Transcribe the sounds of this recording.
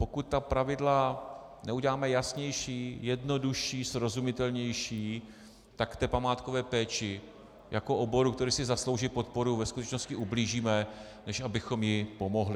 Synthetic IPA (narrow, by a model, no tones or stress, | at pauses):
pokut̪̚tːapɾavɪdlanɛuɟɛlaːmɛjasɲɛjʃiːjɛdno̞duʃiːsɾo̞zumɪt̪ɛlɲɛjʃiː | t̪akt̪ɛːpamaːt̪kovɛːpɛːt͡ʃɪ | jako̞ʔobo̞ɾukt̪ɛɾiːsɪzaslo̞wʒipo̞t̪̚po̞ɾuvɛskut̪ɛt͡ʃnoscɪʔubliːʒiːmɛ | nɛʃʔabɪxo̞mjɪpo̞mo̞ɦlɪ